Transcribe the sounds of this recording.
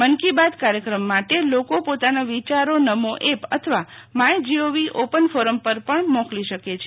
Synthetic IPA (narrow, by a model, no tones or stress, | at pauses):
mənkibad̪kaɾjəkɾəmːaʈelokopot̪anoʋit͡ʃaɾonəmoʔepə̰t̪ʰəʋamajd͡ʒioʋiʔopənfoɾəmpəɾpəɳmɔ̃kliʃəket͡ʃʰe